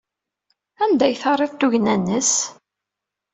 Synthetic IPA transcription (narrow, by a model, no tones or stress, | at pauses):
ænd̪æjθɑrˤːeðt̪uʝnænːəs